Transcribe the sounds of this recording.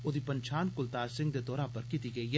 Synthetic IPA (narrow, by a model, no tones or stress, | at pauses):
ʊd̪ʱipɐnt͡ʃʰaːnkʊlt̪aːɾsɪ̃ŋɡd̪ed̪ɔːɾapɐɾkit̪iɡɐie